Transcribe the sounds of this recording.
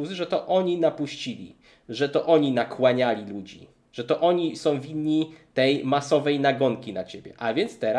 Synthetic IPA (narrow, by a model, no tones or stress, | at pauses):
uzɘʐɛt̪ɔʔɔɲinapuɕt͡ɕilʲḭ | ʐɛt̪ɔʔɔɲinakwaɲalʲilud͡ʑḭ | ʐ̥ɛt̪ɔʔɔɲisɔ̃w̃vʲid̪ːit̪ɛjmasɔvɛjnaɡɔŋkʲinat͡ɕebʲjɛ̰ʔavʲjɛnt̪st̪ɛɾa